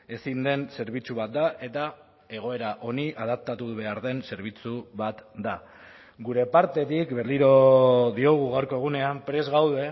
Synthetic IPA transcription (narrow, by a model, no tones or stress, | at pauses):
e̞sind̪e̞nse̞ɾβit͡suβat̪̚d̪aʔe̞t̪a | e̞ɣ̞o̞e̞ɾaʔo̞niʔað̞ap̚t̪at̪uðuβ̞e̞aɾðe̞nse̞ɾβ̞it͡suβat̪d̪a | ɡuɾe̞paɾt̪e̞t̪ikbe̞ɾliɾo̞ðio̞ɣ̞uɣawɾko̞e̞ɣ̞une̞ampɾe̞zɣawðe̞